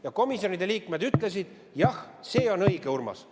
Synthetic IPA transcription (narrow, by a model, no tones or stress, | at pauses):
jɑko̞misjo̞nid̪̥e̞liːkme̞d̪yt̪ˑle̞sid̪̥ | jɑh | seːo̞nɤjɡ̥e̞urmɑ̰s